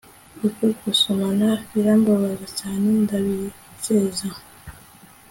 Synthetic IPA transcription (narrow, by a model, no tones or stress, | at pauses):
ikukusomanaβiɾamboβazat͡ʃaːnendaβiɾi | seza